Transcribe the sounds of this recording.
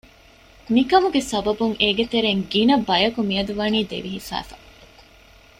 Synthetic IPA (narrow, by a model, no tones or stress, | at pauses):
mikɐmuɡesɐbɐbuŋʔeːɡet̪eɾeŋɡinɐbɐjɐkumiɐd̪uʋɐniːd̪ḛʋiɦifæ̰ːfɐ̥̰